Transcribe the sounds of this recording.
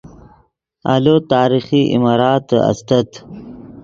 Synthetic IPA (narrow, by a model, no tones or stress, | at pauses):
a̰lot̪ɑːɾixiʔḭmɑːɾɑːt̪ɐ̰st̪ɐt̪